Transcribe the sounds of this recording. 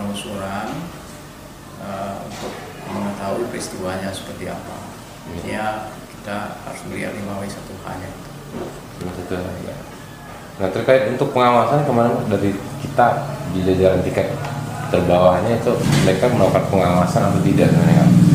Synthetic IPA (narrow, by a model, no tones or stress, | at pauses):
amusoɾaŋ | əṵnt̪ʊk̚ | məŋət̪auipɾist̪iwaɲasə̥pərt̪ia̰pa̰ | jajaki̥t̪aha̰ɾusməɾia̰nimawaisat̪uha̰ɲait̪u̥ | masat̪uɦaɡa̰ | naht̪ərkaɪt̪unt̪ʊk̚pəŋawasankəmanəŋdaɾikit̪adid͡ʒad͡ʒaɾant̪ikat̪t̪ərbawahɲait̪uməɾekaməlaukanpəŋawasanat̪awt̪ida̰ʔsəmaneka̰n